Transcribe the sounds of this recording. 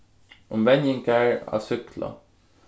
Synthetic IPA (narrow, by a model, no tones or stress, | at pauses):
ʊmʋɛnjɪŋkæɹɑ̰ːsʏklə̰